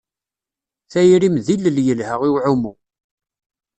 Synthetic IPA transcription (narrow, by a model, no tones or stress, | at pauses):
θæjɾimðilːəljəlhəʁiwʕumu